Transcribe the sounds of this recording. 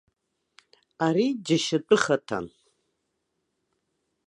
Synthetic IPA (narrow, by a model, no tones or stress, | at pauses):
aɾid͡ʒɪʃatʼɨχatʰa̰n